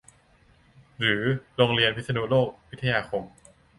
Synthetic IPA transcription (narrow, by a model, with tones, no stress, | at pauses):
ɾɯː˩˦ɾoː˧ŋɾi˧ənpʰi˥t̪ʰa˧nu˦˥loː˥˩k̚wi˦˥t̪ʰːa˧jaː˧xʰo˧m